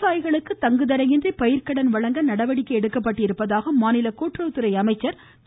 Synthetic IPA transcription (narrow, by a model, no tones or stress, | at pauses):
saːjɣɐɭɯkːɯt̪ɐŋɡɯðɐɾɐjɪndrɐpɐjɪɾkɐɽɐnʋɐɭɐŋɡɐnɐɽɐʋɐɽɪkːɐɛɽɯkːɐpːɐʈːɪɾɯpːɐðaːɣɐmaːnɪlɐkoːʈrɐʋt̪ːɯɾɐɪɐmɐɪt͡ʃːɐɾ | t̪